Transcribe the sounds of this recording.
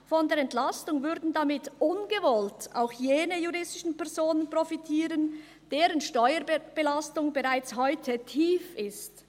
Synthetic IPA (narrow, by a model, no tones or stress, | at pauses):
fɔndeːɾɛntlastʊŋvʏɐdn̩damɪtʔʊnɡəvɔlta̰ʊxjeːnəjuʁɪstɪʃn̩pɛʁzoːnənpʁofitʰiːʁən | d̥eːʁənʃtɔʏəb̥əlastʊŋbəʁaɪt͡shɔʏtʰətʰiːfɪst